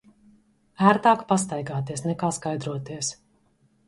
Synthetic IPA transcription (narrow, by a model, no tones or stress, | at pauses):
æːɾt̪aːkpast̪ajɡaːt̪iɛsnɛkaːskajd̪ɾuɔt̪iɛs